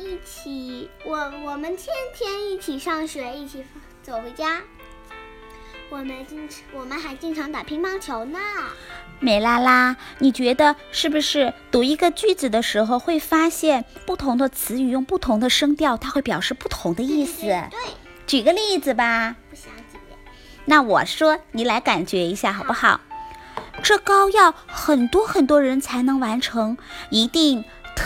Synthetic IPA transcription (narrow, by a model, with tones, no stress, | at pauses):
i˥˩t͡ɕʰi˨˩wɔ˧˩wɔ˨˩mə˦nt̪ʰjɛ˥nt̪ʰjɛ˥ni˥˩t͡ɕʰi˨˩ʂɑ˥˩ŋɕɥɛ˨˧˥i˥˩t͡ɕʰi˨˩f | t͡so˨˩ʊ˧˥ɪt͡ɕja˥ | wɔ˨˩mə˦nt͡ɕi˥˧ŋ | wɔ˨˩mə˦nxa˧˥ɪt͡ɕi˥ŋʈ͡ʂʰɑ˧˥ŋt̪a˨˩pʰi˧˥ŋpɑ˧˥˩ŋt͡ɕʰjo˧˥ʊnə˧ | me˧˥ɪla˥˩la˥ni˨˩t͡ɕɥɛ˧˥d̪ə˧ | ʂɻ̩˥˩bu˩ʂɻ̩˥˩t̪u˧˥i˧˥ɡə˧t͡ɕy˥˩t͡sɹ̩˨˩d̪ə˦ʂɻ̩˧˥xo˧ʊxwe˥˩ɪfa˥ɕjɛ˥˧npu˥˩t̪ʰʊ˧˥ŋd̪ə˧t͡sʰɹ̩˧˥y˨˩jʊ˥˧ŋpu˥˩t̪ʰʊ˧˥ŋd̪ə˧ʂɤ˥ŋt̪jɑ˥˩ʊt̪ʰa˥xwe˥˩ɪp̬jɑ˨˩ʊʂɻ̩˥˧pu˥˩t̪ʰʊ˧˥ŋd̪ə˧i˥˩sɹ̩˨˩˥ | t͡ɕi˨˩ɡə˦li˥˩d͡zɹ̩˨˩ba˩ | na˥˩wɔ̰˨˩ʂwɔ˥ni˧˥la˧˥ɪka˨˩nt͡ɕɥɛ˧˥i˧˥ɕja˥˩xɑ˨˩ʊpu˥xɑ˨˩˦ʊ | ʈ͡ʂɤ˥˩kɑ˥ʊjɑ˥˩ʊxə˨˩nt̪wɔ˥xə˨˩nt̪̬wɔ˥ɻə˧˥nt͡sʰa˧˥ɪnɤ˧˥ŋwa˧˥nʈ͡ʂʰɤ˧˥ŋi˧˥t̪i˥˩ŋ | t̪